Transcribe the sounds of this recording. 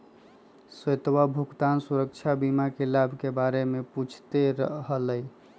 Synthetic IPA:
səjt̪wabʱuɡt̪ansuɾək̚t͡ʃʰabimakelabʱkebaɾemeput͡ʃʰt̪eɾəɦələj

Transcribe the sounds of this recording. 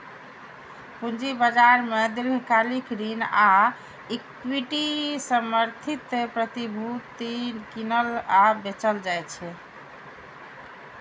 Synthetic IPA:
pund͡ʒibəd͡ʒaɾmed̪iɾbʱikalikɾina | ikwiʈisəməɾt̪ʰit̪ːpɾət̪ibʱut̪inkinəlabet͡ʃəld͡ʒajt͡ʃʰɛ

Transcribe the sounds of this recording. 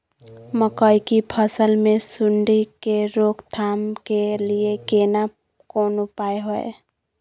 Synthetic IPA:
məkəikipʰəsəlmẽsʊɳɖikeɾoːkt̪ʰaːmkeliekena | koːnʊpaːeɦoḛ

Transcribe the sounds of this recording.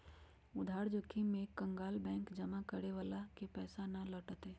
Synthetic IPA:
ʊd̪ʱaːɾd͡ʒʊkʰːimẽkə̃ŋɡaːlbɛ̃ːŋkd͡ʒəmakəɾeʋaːlakepɛːsanaləʈət̪eː

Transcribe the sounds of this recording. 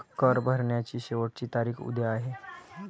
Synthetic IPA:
kəɾbʱəɾɳjat͡ɕiːɕeʋəʈ̚t͡ɕiːt̪aɾiːxṵd̪ʱeaɦe

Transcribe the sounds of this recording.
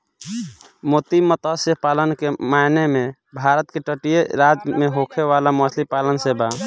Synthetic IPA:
mot̪imət̪asepalənkemaneme | bʱaɾət̪keʈəʈijeɾad͡ʒmeɦokʰeʋalaməsʰlipalənseba

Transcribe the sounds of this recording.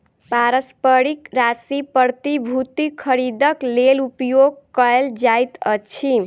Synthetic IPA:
paɾəspəɾikɾasipəɾt̪ibʱut̪ikʰːəɾid̪əklelupjoɡ̚kəeld͡ʒajt̪ət͡ʃʰi

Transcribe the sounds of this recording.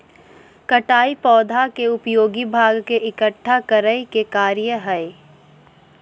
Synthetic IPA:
kɐʈaːipɔːd̪ʱakeʊpjoːɡibʱaːɡkeʔɪkəʈʰːakəɾəjkekaːɾjəɦɛe

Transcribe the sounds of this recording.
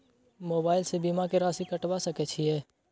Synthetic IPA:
moːbaːɪlsebiːmakeɾaːsikɐʈwasɐket͡ʃʰiɛː

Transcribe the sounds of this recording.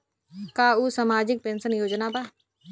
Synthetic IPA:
kaːuːsamaːd͡ʒɪk̚pẽːnsənjoːd͡ʒnaːba

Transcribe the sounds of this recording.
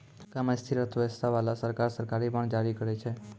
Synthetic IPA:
kamast̪ʰiɾət̪ʰʋest̪ʰaʋalasəɾkaɾsəɾkaɾipəɳd͡ʒaɾikəɾet͡ʃʰe

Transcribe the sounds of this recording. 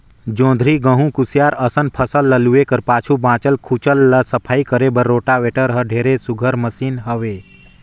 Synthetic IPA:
d͡ʒõːnd̪ʱɾiɡəɦũkusijaːɾəsənpʰəsəlːəluekəɾpaːt͡ʃʰubãːt͡ʃəlkʰut͡ʃəlːəsəpʰaːikəɾebəɾːoːʈaʋeːʈəɾɦəɖʱeːɾesuɡʱəɾməsiːnɦəʋeː

